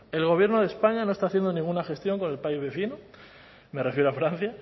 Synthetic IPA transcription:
e̞lɣ̞o̞βje̞ɾnoð̞e̞spaɲano̞est̪aθje̞nd̪o̞nĩŋɡunaxe̞st̪jo̞ŋko̞ne̞lpaizβe̞θino | me̞re̞fje̞ɾoafɾan̟θja

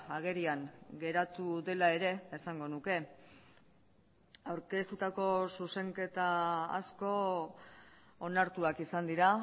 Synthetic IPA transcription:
aɣe̞ɾiaŋɡe̞ɾat̪uðe̞lae̞ɾe̞ːsaŋɡo̞nuke̞ | awɾke̞st̪ut̪ako̞suse̞ŋke̞t̪a̰ːsko̞ | onaɾt̪uakisand̪iɾa

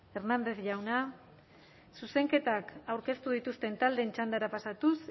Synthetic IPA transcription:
e̞ɾnand̪e̞θʝawna | suse̞ŋke̞t̪akawɾke̞st̪uðit̪ust̪e̞nt̪ald̪e̞ːnt͡ʃand̪aɾapasat̪us

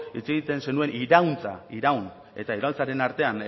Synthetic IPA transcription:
it͡seɣit̪e̞nse̞nue̞niɾawnt͡sa̰iɾawn | e̞t̪aiɾaunt͡saɾe̞naɾt̪e̞an

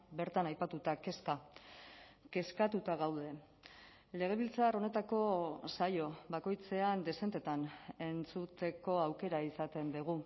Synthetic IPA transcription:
be̞ɾt̪anajpat̪ut̪ake̞ska | ke̞skat̪ut̪aɣawð̞e̞ | le̞ɣ̞e̞βilt͡saro̞ne̞t̪ako̞sajo̞bako̞jt͡se̞and̪e̞se̞nt̪e̞t̪ane̞nt͡sut̪e̞ko̞awke̞ɾaisat̪e̞nd̪iɣ̞u

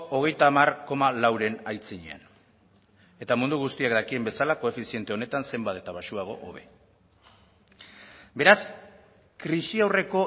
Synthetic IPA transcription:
o̞ɣ̞e̞jt̪aːmarko̞malawɾe̞najt͡siɲḛa̰n | e̞t̪amund̪uɣ̞ust̪iak̚d̪akie̞mbe̞salako̞e̞fisie̞nt̪e̞o̞ne̞t̪anse̞mbat̪e̞t̪aβaʃuaɣ̞o̞̰ʔo̰βe̞̰ | be̞ɾas | kɾisiawre̞ko̞

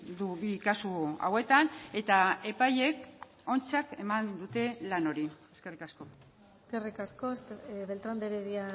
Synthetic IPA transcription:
d̪uβikasua̰we̞t̪ane̞t̪ae̞paje̞k | o̞nt͡sake̞mand̪ut̪e̞lano̞ɾieske̞rikasko̞ | eske̞rikaskoest̪βelt̪ɾand̪eɾeβia

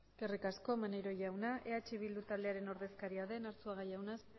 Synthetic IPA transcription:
kerikasko̞manejɾo̞ʝawnaʔe̞at͡ʃiβild̪ut̪ald̪e̞aɾe̞no̞ɾðe̞skaɾiaðe̞naɾt͡suaɣ̞ajawnas

